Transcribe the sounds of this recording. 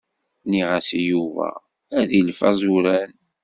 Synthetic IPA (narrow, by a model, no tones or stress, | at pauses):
niʁasijuvæ̰ | æðilfæzˤuɾæn